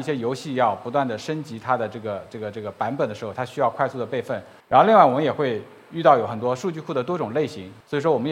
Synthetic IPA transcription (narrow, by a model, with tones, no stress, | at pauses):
i˥˩ɕjɛ˥jo˧˥ʊɕi˥˧jɑ˥˩ʊpu˧˥t̪̬wa˥˩nd̪ə˩ʂə˥nt͡ɕi˧˥t̪ʰa˥d̪ə˨˩ʈ͡ʂɤ˥˩ɡə˩ʈ͡ʂɤ˥˩ɡə˩ʈ͡ʂɤ˥˩ɡə˩pa˧˥npə˨˩nd̪ə˩ʂɻ̩˧˥xo˧˩t̪ʰa˥ɕy˥jɑ˥˧ʊkʰwa˥˧ɪsu˥˩d̪ə˩pe˥˧ɪfə˥˩n | ɻa˧˥nxo˥˧li˥˧ŋwa˥˩wɔ˨mə˦jɛ˨˩xwe˥˧ɪ | y˥˧t̪ɑ˥˩ʊjo˧˥ʊxə˨˩nt̪wɔ˥ʂu˥˧t͡ɕy˥˧kʰu˥˩d̪ə˩t̪wɔ˥ʈ͡ʂʊ˨˩ŋle˥˩ɪɕi˧˥ŋswɔ˧˥i˨˩ʂwɔ˥wɔ˨˩mə˦j